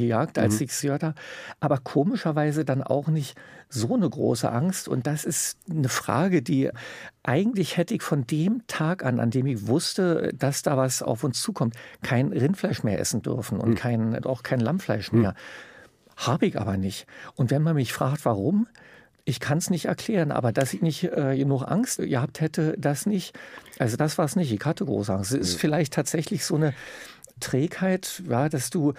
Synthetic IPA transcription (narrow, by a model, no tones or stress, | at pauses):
əjaːktʔa̰lsɪçz̥øːɐtaʔaːbɐkʰoːmɪʃɐvaɪzədanʔa̰ʊxnɪçtz̥oːnəɡʁo̰ːsə̰ʔaŋstʊ̰nt̚d̥asɪstnəfʁ̥a̰ːɡədiːʔaɪɡŋ̩tlɪçhɛtəɪçfɔndeːmtʰaːkʔa̰na̰ndeːmɪçv̥ʊstəd̥asd̥aːvasa̰ʊfʊnst͡suːkʰɔmtkʰaɪnʁɪntflaɪʃmeːɐʔɛ̰sn̩dʏ̰ɐfn̩ʊ̰ntkʰaɪna̰ʊxkʰaɪnlamflaɪʃmeːɐ | haːbəɪçʔa̰ːbɐnɪçtʔʊntv̥ɛnmanmɪçfʁ̥aːktv̥aʁʊm | ʔɪçkʰansnɪçtɛ̰ɐkʰl̥ɛːʁənʔa̰ːbɐdasɪçnɪçtʔɛːjənʊχʔa̰ŋstɡəhaːp̚thɛtəd̥asnɪçtʔalzodasv̥aːɐsnɪçtɪçhatəɡʁo̰ːsəʔaŋstsɪsfɪlaɪçtʰaːtz̥ɛçlɪçz̥oːnə | tʁ̥ɛːkhaɪtjaːd̥asd̥uː